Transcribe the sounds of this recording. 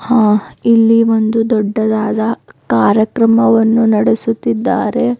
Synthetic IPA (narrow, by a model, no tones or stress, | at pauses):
hãːilːiʋo̞nd̪ud̪ɔɖːɐd̪aːd̪ɐkaːɾjɐkɾɐmɐʋɐnːunɐɽesut̪ːid̪ːaːɾe̞